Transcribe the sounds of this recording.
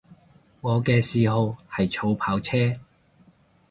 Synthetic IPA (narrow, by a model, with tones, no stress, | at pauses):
ŋɔː˨˧kɛː˧siː˨˧ɦo˨˧whɐ˨jt͡sʰo˧wpʰaː˨˧wt͡sʰɛː˥